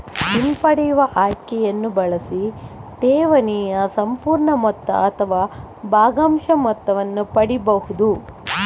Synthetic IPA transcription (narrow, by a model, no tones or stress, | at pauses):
dimpɐɽɛjuʋɐʔaːjkɛjɐnːubɐɭɐsid̪ɛːʋɐnijɐsɐmpuːɾɳɐmɔt̪ːɐ̰ːt̪ʰɐʋaː | baːɡaːmʃɐmɔt̪ːɐʋɐnːupɐɽibɐhud̪u